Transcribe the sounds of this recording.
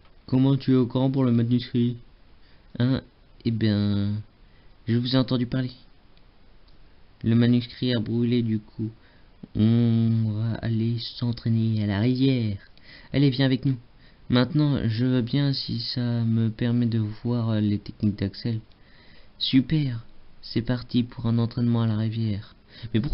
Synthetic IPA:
kɔmɑ̃t̪yɛokuʁɑ̃puʁləmanyskχi | ɛ̃ | ebjɛ̃ | ʒəvuzeɑ̃t̪ɑ̃d̪ypaʁle | ləmanyskχiabʁyled̪ykʰu | ɔ̃vaa̰lesɑ̃t̪χenealaʁivjɛʁɛlevjɛ̃avɛknu | mɛ̃t̪nɑ̃ʒəvøbjɛ̃sḭsaməpɛʁmɛd̪əvwaʁlet̪ɛk̚nik̚d̪aksɛl | sypɛʁsɛpaʁt̪ipʰuʁɛ̃nɑ̃t̪χɛnmɑ̃alaʁivjɛːʁ | mɛpuʁ

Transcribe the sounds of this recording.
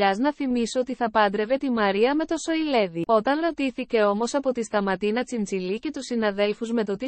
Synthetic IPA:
ɐznɐθimisoot̪iθɐpɐnd̪ɾe̞ve̞t̪imɐɾiɐme̞t̪o̞so̞ile̞ðio̞t̪ɐnɾo̞t̪iθice̞o̞mo̞sɐpo̞t̪ist̪ɐmɐt̪inɐt͡sint͡silice̞t̪usinɐðe̞lfuzme̞t̪o̞t̪i

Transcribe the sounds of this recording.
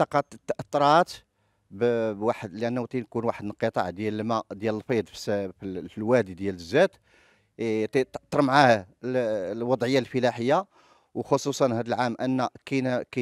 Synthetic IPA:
t̪ɑqɑt̪t̪ːʔɑt̪ˤːɾˤɑt̪ | bbwaħəd̪lʔænːut̪inkunwaħəd̪ənqət̪ˤɑ̰ʕd̪jælmæd̪jæləlfid̪ˤfsfəlwæd̪d̪jæləzːæt̪ | t̪it̪ʔt̪ˤːɑɾˤmʕahælwɑd̪ˤʕəjːalfəlæħəjːa | wxosˤusˤɑnhæd̪əlʕamʔənːækænkæ

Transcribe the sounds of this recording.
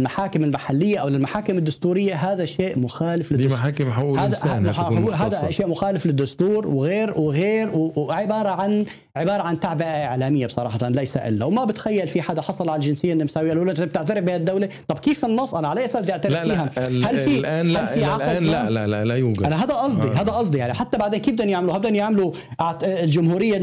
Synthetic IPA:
lmaħaːkɪmɪlmaħalːɪjːaʔawlɪlmaħaːkɪmɪd̪ːʊst̪uːɾɪjːaɦaːd̪aʃeːʔmʊxaːlɪflɪd̪ħaːkɪmħahd̪aħɦaːd̪aʃeːʔmʊxaːlɪflɪd̪ːʊst̪uːɾwɣeːɾwɣeːɾwʕɪbɑːɾˤɑʕan | ʕɪbɑːɾˤɑʕant̪aʕbɪʔaʔɪʕlaːmɪjːabsˤɑɾˤɑːħɑt̪anlajsa̰ʔɪ̰lːawmabɪt̪xajːalfiħad̪aħɑsˤɑlʕalald͡ʒɪnsɪjːʔnːɪmsaːwiʔalʔuːlʔɪnt̪b̚t̪ɪʕt̪aɾɪfbɪhad̪ːawlet̪ˤɑbkiːfɪnːɑsˤːʔanaʕalaʔasaːbt̪ɪʕt̪aɾɪfiːɦahalfiʔaalːfiaɑllalaalajuːɡʔanaɦaːd̪aʔɑsˤd̪iɦaːd̪aʔɑsˤd̪ijaʕniħat̪ːabaʕd̪eːnkiːbd̪anjaʕmluhabd̪anjaʕmlu | ʔʕlʒʊmɦuːɾɪjːa

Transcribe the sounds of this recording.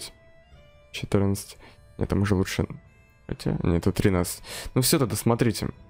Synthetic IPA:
tʲ | t͡ɕɪt̪ɨɾnət̪sə̥tʲnʲḛt̪ːamʊʐəlˠuʂɨ̰ | a̰tʲɪ̰nʲḛt̪ət̪ɾʲɪnat̪sɨ̥tʲnufsʲot̪ad̪əsmɐt̪ɾʲitʲɪ̰

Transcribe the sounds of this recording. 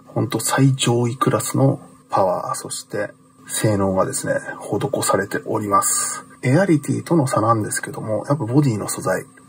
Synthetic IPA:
hõ̞nt̪o̞said͡ʑo̞ːikɯ̟ɾʔasɨno̞ | pʰaβa̰ːso̞ɕi̥t̪e̞ | se̞ːno̞ːɡad̪e̞sɨne̞̰ho̞d̪o̞ko̞saɾe̞t̪e̞ʔo̞ɾʲimasɨ̥eaɾʲit̪ʲḭːt̪ono̞sanãnd̪e̞sɨ̥ke̞d̪o̞mo̞japːabo̞d̪ʲiːno̞so̞zai

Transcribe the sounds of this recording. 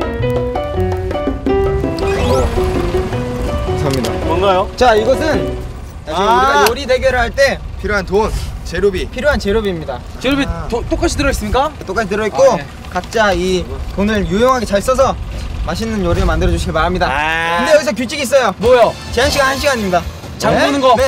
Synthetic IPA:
asʰamɲida̰mʌnɡajot͡ɕaiɡʌsʰɯn | aoɾide̞ɡe̞ɾɯɭɦaɭt͈e̞pʰiɾjoɦantont͡ɕe̞ɾobipʰiɾjoɦant͡ɕe̞ɾjobiːmɲida | t͡ɕeɾobiot͈ok͈at͡ɕʰitɯɾʌis͈ɯmɲik͈at͈ok͈at͡ɕʰitɯɾʌitk͈o | kat̚t͡ɕ͈aitonɯɭjujoŋɦaɡe̞t͡ɕaɭs͈ʌs̬ʰʌmaɕ̬ʰinɯnjoɾiɯmandɯɾʌd͡ʑuɕʰiɡiɭpaɾɦamɲidakkɯndejʌɡisʰʌk̬jut͡ɕ͈ʰiɡis͈ʌjomwʌjo | t͡ɕe̞ɦanɕʰiɡanɦanɕ̬ʰiɡaɲimɲida | t͡ɕaneonɯnɡʌne

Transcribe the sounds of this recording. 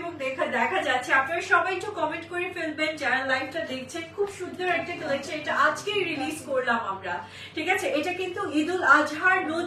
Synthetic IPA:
boŋd̪ɛkʰad̪ɛkʰad͡ʑat̪ːɕʰeapnaɾaʃɔbajt͡ɕukɔmeɳʈkoɾefelbend͡ʑanalːajfʈad̪ek̚ʰt͡ɕʰenkʰubʃud̪ʱːoɾɛk̚ʈakolek̚t͡ɕʰeeʈaʔad͡ʑkejɾilizkoɾlamamɾa | ʈʰikat͡ɕʰeʔeʈakint̪uɦid̪ulad͡ʑʱɦaɾno

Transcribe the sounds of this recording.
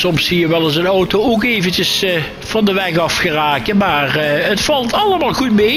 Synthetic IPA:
sɔmsijəʋɛlˠəsənɔwtooːkeːvəncəs | fɑndəʋɛxɑfxəraːkənmaːrətfɑlˠtɑləmaːlˠɣutme

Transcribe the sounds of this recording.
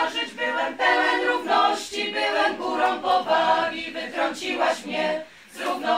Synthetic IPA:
ʐɨd͡ʑbɪwɛmpɛwɛnɾuvnɔɕt͡ɕibɘwɛmɡuɾɔ̃w̃pɔvamʲivɘt̪ɾɔɲt͡ɕiwaɕmɲɛ | zɾuvnɔ

